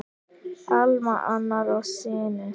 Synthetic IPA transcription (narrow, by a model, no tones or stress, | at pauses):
almaʔanaɾɔsenɛ